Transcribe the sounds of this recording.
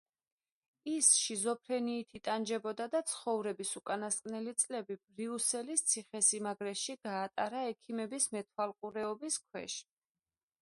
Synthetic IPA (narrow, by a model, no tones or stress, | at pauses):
isʃizɔpʰɾɛniːt̪ʰit̪ʼand͡ʒɛbɔd̪ad̪at̪sʰχɔvɾɛbisukʼanaskʼnɛlit̪sʼlɛbib̥ɾiusɛlist̪sʰiχɛsimaɡɾɛʃiɡ̥aːt̪ʼaɾaɛkʰimɛbismɛt̪ʰwalˠqʼuɾɛɔbiskʰwɛ̰ʃ